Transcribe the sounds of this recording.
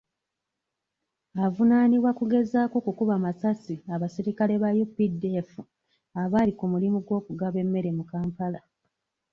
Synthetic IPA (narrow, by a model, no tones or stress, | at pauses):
avunaːniβwakuɡe̞zaːkoːkukuβamasasiaβasiɾikale̞βajupːide̞fu | aβaːlikumulimuɡwo̞ːkuɡaβe̞mːe̞ɾe̞mukaːmpala